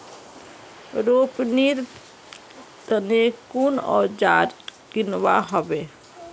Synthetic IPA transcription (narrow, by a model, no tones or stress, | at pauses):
ɾoːpniɾ | t̪ənekunɔ̰ːɾd͡ʒaːɾɡɪnwaɦɔbeː